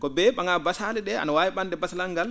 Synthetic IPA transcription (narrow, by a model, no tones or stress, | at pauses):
kɔbɛɓaŋabasalɛɗɛa̰nawaːwiɓandɛbasalaŋɡal